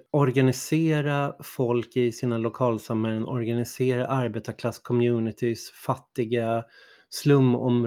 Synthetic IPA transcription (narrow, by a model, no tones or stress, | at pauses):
ɔɾɡanɪseːɾafɔlkɪsiːnalʊkʰɑːlsamhɛlənʔɔ̰ɾɡanɪseːɾaʔaɾbeːt̪akʰlaskʰɔmjʉːnɪt̪ʰɪsfat̪ːɪɡa | slɵmːɔ̰m